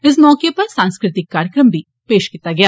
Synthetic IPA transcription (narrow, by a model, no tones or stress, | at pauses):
ɪs̬mɔːkjepɐɾsãːnskɾɪt̪ɪkːaːɾjəkɾəmbʱiː | peːʃkit̪ːaɡɪjaː